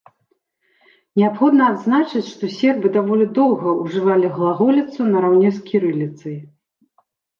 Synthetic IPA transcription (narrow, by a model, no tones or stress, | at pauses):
nʲɛapxɔd̪nɐad̪znat͡ʂɨt͡sʲʂt̪ɔsʲɛrbɨd̪avɔlʲid̪ɔwɣɐuʐɨvalʲiɣlˠaɣɔlʲit̪sunɐɾawnʲɛskʲʰiɾɨlʲit̪sɐj